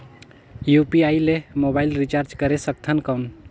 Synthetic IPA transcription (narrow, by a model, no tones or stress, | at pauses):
jupiailemobailɾit͡ʃaɾd͡ʒkəɾesək̚t̪ʰənkəwn